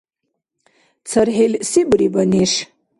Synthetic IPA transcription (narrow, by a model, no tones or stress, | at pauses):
t͡sʰɐrɦelsibɾibɐniʂ